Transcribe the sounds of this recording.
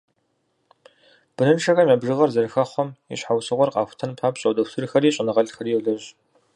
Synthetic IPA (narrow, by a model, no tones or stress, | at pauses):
b̥ɨnɨnʂʰɐxɐmjaːbʒɨʁɐrzɐrɨxɐχʷɔmḭɕħawsɨʁʷɔrqʼɑ̰ːxʷʊ̥tʰɐnpʰaːpɕʼɐwdɐwtʰɨrxɐriːɕʼɪnɨʁɐɮxɐriːɛɮɨɕ